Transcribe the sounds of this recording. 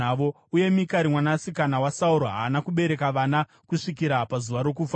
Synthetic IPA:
aʋo | uje̞mikaɾimwanasikanawasauɾoɦa̰ːnakuɓe̞ɾe̞kaʋana | kuʂikiɾapazuʋaɾo̞k̬ufa

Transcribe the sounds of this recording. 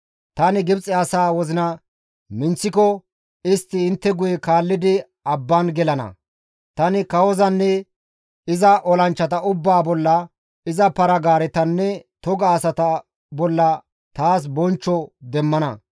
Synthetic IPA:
t̪ɐnɪɡɪbt͡sʼɛɐsaːwɔzɪnɐ | mɪnt͡sːɪkɔ | ɪst̪ːɪɪnt̪ːɛɡʊjɛkaːlːɪd̪ɪ | ɐbːɐnɡɛlɐnɐ̰ | t̪ɐnɪkɐwɔzɐnːɛ | ɪzɐʔɔlɐnt͡ʃːɐt̪ɐʊbːaːbɔlːɐ | ɪzɐpɐɾɐɡaːɾɛt̪ɐnːɛt̪ɔɡɐːsɐt̪ɐ | bɔlːɐ | t̪aːs̬bɔnt͡ʃːɔd̪ɛmːɐnɐ̰

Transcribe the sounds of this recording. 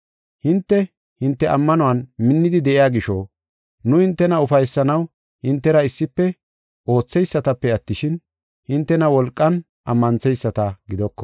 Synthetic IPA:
hɪnt̪ːɛ | hɪnt̪ːɛʔɐmːɐnʊwɐnmɪnːɪd̪ɪd̪ɛʔɪjaːɡɪʃɔ | nʊhɪnt̪ːɛnɐʊfɐjsːɐnɐw | hɪnt̪ːɛɾɐɪsːɪpːɛ | ʔo̞ːt͡sːɛjsːɐt̪ɐpːɛɐt̪ːɪʃɪn | hɪnt̪ːɛnɐwɔlkʼːɐn | ʔɐmːɐnt͡sɛjsːɐt̪ɐɡɪd̪ɔkːɔ̥

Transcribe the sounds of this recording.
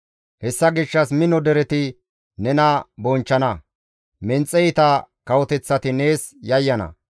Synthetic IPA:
hɛsːɐɡɪʃːɐsmɪnɔd̪ɛɾɛt̪ɪ | nɛnɐbɔnt͡ʃːɐnɐ | mɛnt͡sʼːɛjɪt̪ɐkɐwɔt̪ɛt͡sːɐt̪ɪne̞ːsjɐjːɐnɐ̰

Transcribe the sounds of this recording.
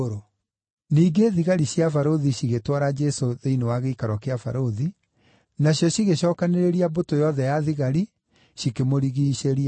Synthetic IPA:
oɾo | niːɡeðiɣaɾiɕjafaɾoðiɕiɣetwaɾad͡ʒɛsoðeinewaɣeikaɾwɔkeafa̰ɾoði | naɕjɔɕiɣeɕɔːkaneɾeɾiabotojɔðɛjaðiɣaɾi | ɕikemoɾiɣiːɕeɾia

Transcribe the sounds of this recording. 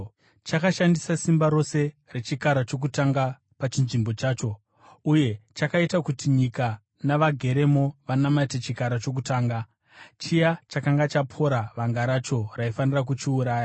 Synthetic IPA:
t͡ʃakaʃandisasimbaɾo̞se̞ | re̞t͡ʃikaɾat͡ʃo̞k̬utaŋɡa | pat͡ʃinʐimbo̞t͡ʃaːt͡ʃo̞ | uje̞t͡ʃakaitakutiɲika | naʋaɡʱe̞ɾe̞mo̞ʋanamaitet͡ʃikaɾat͡ʃo̞k̬utaːŋɡa | t͡ʃijat͡ʃakaŋɡat͡ʃapʰo̞ɾaʋaŋɡaɾat͡ʃo̞raifanirak̬ut͡ʃiuɾaːja

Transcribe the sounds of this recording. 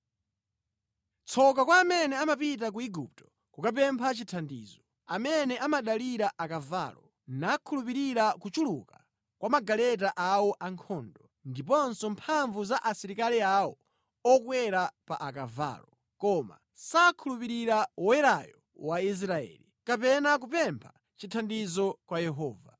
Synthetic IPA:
t͡sʰɔk̬akwaːmɛnɛamapit̬ak̬uiɡup̚tɔ̥ | kukap̬ɛmpʰat͡ʃitʰandḭːzɔ | amɛnɛʔamaɗaliɾaʔakava̰ːlɔ | nakʰulupiɾiɾakut͡ʃuluka | kwamaɡalɛt̬aʔawɔʔaŋkʰɔːndɔ | ndipɔnsɔmpʰaɱvuzaʔasiɾikaliawɔ | ɔkwɛɾapa̰ʔakava̰ːlɔ | kɔma̰ | sakʰulupiɾiɾawɔwɛɾajɔ | wais̬ɾaɛ̰ːlikapɛnak̬upɛmpʰa | t͡ʃitʰandizɔkwajɛɦɔːva

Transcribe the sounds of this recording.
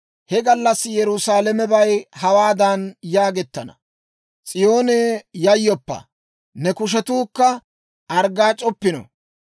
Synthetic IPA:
hɛɡɐlːɐsːjɛɾʊsaːlɛmɛbɐjhɐwaːd̪ɐnjaːɡɛt̪ːɐnɐ̰ | t͡sʼɪjo̞ːneːjɐjːɔpːɐ̰ | nɛkʊʃ̬ɛt̪uːkːɐ | ʔɐɾɡaːt͡ʃʼɔpːɪnɔ̰

